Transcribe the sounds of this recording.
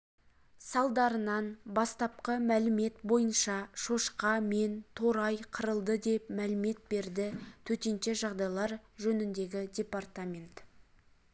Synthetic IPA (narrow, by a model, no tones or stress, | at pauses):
sɑlˠd̪ɑɾənɑnbɑst̪ɑp̚qəmælɪme̞t̪bo̞jənʃɑʃo̞ʃqɑment̪ʰo̞ɾɑjqʰəɾəlˠd̪əd̪e̞pmælɪme̞t̪̚be̞ɾd̪ɪt̪ʰɵt̪e̞nʃe̞ʒɑʁd̪ɑjlˠɑɾʒɵnɪnd̪e̞ɡʲɪdʲe̞part̪amʲe̞nt̪